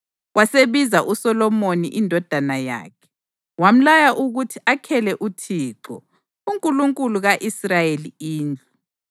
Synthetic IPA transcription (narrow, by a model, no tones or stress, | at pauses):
wʔaseβizaʔusɔlɔmonḭʔindʱɔd̥ʱanaja̰ːkʰɛ̥ | wam̩lajaʔuɣutʰiakʰɛlɛʔutʰiːǁɔ | uŋkʼuluŋkʼuluɣaʔisrajeliiːnd͡ɮʱu